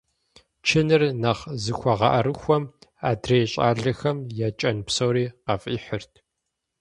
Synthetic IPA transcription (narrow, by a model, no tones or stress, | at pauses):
t͡ʃʰɪnɨrnɐχzɨxʷɔʁɐ̰ʔɐɾɨxʷɔma̰ːdreːjɕʼa̰ːɮɐxɐmjɛt͡ʃʼɐnpsowɾiːqɐfʼiːħɨrtʰ